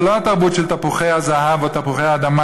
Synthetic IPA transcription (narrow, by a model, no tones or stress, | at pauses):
loat̪aʁbutʃeltapuχejhazaɦavat̪apuχejhaːd̪ama